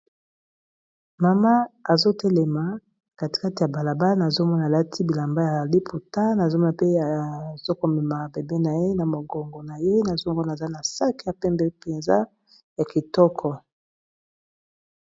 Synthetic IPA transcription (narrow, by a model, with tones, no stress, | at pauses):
ma˨ma˦a˨zo˦tɛ˦lɛ˨ma˨ | ka˨ti̥˨ka˦ti˨ja˨ba˨la˨ba˦na˨zo˦mɔ˦na˨la˦tʰi˦bi˨la˨mba˦ja˨li˦pʰu˨ta˦na˨zo˦mɔ˦a˨pe˦a˨z̥o˦ko˨mɛ˨ma˨be˨be˦na˨je˦na˨mo˨ɡɔ˨ŋɡo˨na˨je˦na˨zo˦mɔ˦na˨za˦na˨sa˦ki˨ja˨pɛ˦mbɛ˦pe˨nza˦ | ja˨ki˨tɔ˦kʰɔ˨